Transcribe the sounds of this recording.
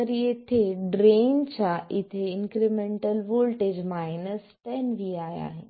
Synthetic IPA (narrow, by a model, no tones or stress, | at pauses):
ɐɾiɪt̪ʰeɖɾeːnt͡ɕʰaɪt̪ʰeɪ̃ŋkɾimẽːɳʈəlʋoːlʈeːd͡ʑmaːɪnəsʈɛnʋiaːja̰ːɦɪnɪ̆